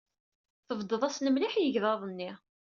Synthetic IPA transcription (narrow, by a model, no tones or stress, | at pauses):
θəvd̪əðˤæsnəmliħjəʝðɑðˤənːiʁ